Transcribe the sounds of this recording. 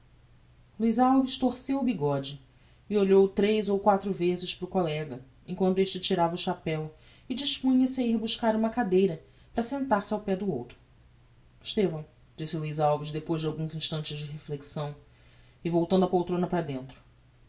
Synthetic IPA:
luijzawviʃt̪oɾsewʊbiɡɔd͡ʒɪ | ɪoʎowt̪ɾejzowkwat̪ɾʊvezɪʃpɾʊkolɛɡɐ | ḛ̃kwɐ̃nt̪̬ʊeʃt͡ʃɪt͡ʃiɾavɐʊʃapɛw | ɪd͡ʒiʃpũɲɐseiɾbuʃkaɾũmɐkad̪ejɾɐ | pɾɐsẽnt̪aɾsɪawpɛd̪ʊowt̪ɾʊ̥ | ɪʃt̪evɐ̃w̃ | d͡ʒisɪluijzawviʃd̪epojʒd͡ʒɪawɡũzĩʃt̪ɐ̃nt͡ʃɪzd͡ʒɪɦefleksɐ̃w̃ | ɪvowt̪ɐ̃nd̪ɐpowt̪ɾõnɐpɾɐd̪ẽnt̪ɾʊ̥

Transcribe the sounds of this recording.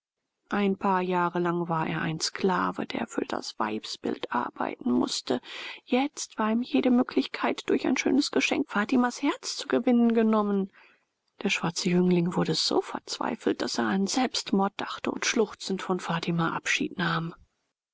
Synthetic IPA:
ʔaɪnpʰaːɐjaːʁəlaŋvaːɐʔḛːɐʔa̰ɪnskla̰ːvə̰dḛːɐfyːɐd̥a̰sv̥a̰ɪpsb̥ɪ̰ltʔa̰ɐba̰ɪtn̩mʊ̰stəjɛt͡stv̥aːɐiːmjeːɾəmøːkʰlɪçkʰaɪtd̥ʊɐçaɪnʃø̰ːnəsɡ̥əʃɛ̰ŋkfaːtimashɛɐt͡st͡suɡəvɪnənɡənɔmən | d̥eːɐʃv̥aɐt͡səjʏŋlɪŋvʊɐɾəz̥o̰ːfɛɐt͡sv̥a̰ɪfl̩t̚d̥aseːɐanzɛlpstmɔɐt̚d̥aχtəʊ̰ntʃlʊχt͡sn̩tfɔnfaːtʰimaʔapʃḭːtnaːm

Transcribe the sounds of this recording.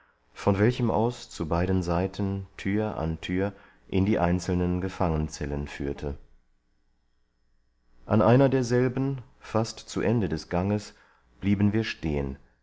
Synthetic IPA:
fɔnvɛlçəmʔa̰ʊst͡subaɪdən̩zaɪtʰn̩tʰyːɐʔa̰ntʰyːɐ | ʔɪndiːʔaɪnt͡sl̩nənɡəfaŋənt͡sɛlənfyːɐtʰə | ʔanʔaɪnɐdeːɐzɛlbn̩ | fastt͡suʔɛndədɛsɡ̥aŋəs | b̥liːbn̩viːɐʃteːən

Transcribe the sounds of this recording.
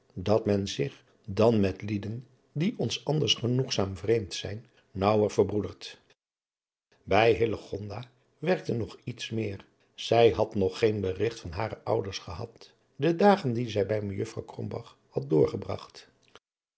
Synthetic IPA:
dɑtmɛnzɪχ | dɑnmɛtlidən | diʔɔnsɑndəɹsχənuχsaːmvrejmtsɛ̰jnː | ʌwəɹv̥əɹbrudəɹt | bɛjɦɪləχɔndaː | ʋɛɹk̚tənɔχitsmɪːr | z̥ɛjɦɑtnɔχːejnbərɪχtfɑnɦaːɾəʔʌwdəɹsχəɦɑt | dədaːχəndizɛjbɛjməjəfrɑwkrɔ̰mbɑ̰χ | hɑt̚dʊːɹχəbrɑ̰χt

